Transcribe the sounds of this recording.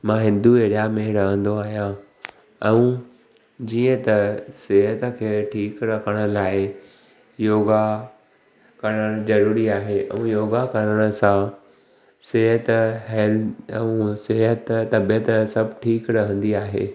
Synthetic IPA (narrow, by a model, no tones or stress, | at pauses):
mãɦɪ̃nd̪ueːɽjameɦɪɾɐɦə̃nd̪oaːɦijã | ɛ̃ũ | d͡ʑiːə̃t̪ɐseɦət̪ə̆kʰeːʈʰiːkɾɐkʰəɽ̃ə̆laːɪ | joːɡa | kɐɾəɽ̃d͡ʑɐɾuːɾiaːɦeʔɛ̰̃ːjoːɡakɐɾəɽ̃ə̆sã | seɦət̪ɦɛlɛ̃ũseɦət̪t̪ːɐbjət̪sɐbʱʈʰiːkɾɐɦə̃nd̪iaːɦḛː